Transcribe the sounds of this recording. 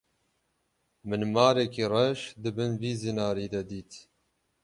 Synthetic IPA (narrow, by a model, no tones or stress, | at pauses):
mɨnmɑːɾekirɛʃd̪ɨbɨnviːzinɑːɾiːd̪ɐd̪iːt̪